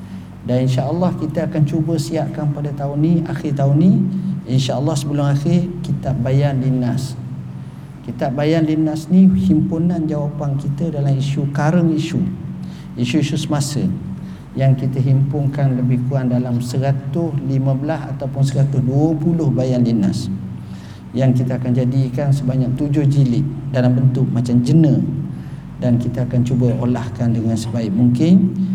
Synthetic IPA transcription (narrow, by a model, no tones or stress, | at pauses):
daninʃaʔəlːɑhkit̪əakant͡ʃubəsiaʔkanpadat̪aʊnːiaxɪrt̪aʊnːiinʃaʔəlːɑhsəbəlʊŋaxɪrkit̪ap̚bajanlinas | kit̪ap̚bajanlinasnihimpunand͡ʒawapankit̪ədalamiʃukaɾəŋiʃu | iʃuiʃusəmasə̰ | jaŋkit̪əɦimpʊŋkanləbihkuandalamsəɾat̪ʊhlimãbəlasa̰t̪awpʊnsəɾat̪ʊhduəpulʊhbajanlina̰s | jaŋkit̪əakand͡ʒadikansəbaɲak̚t̪ud͡ʒʊhd͡ʒilɪʔdalambənt̪ʊk̚mat͡ʃamd͡ʒənə̃ | dankit̪aːkant͡ʃubaolahkandəŋansəbaɪk̚muŋkɪn